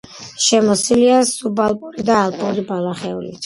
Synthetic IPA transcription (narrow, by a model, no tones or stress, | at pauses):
ʃɛmɔsiliasubalˠpʼuɾid̪aːlˠpʼuɾibalˠaχɛṵlḭt̪ʰ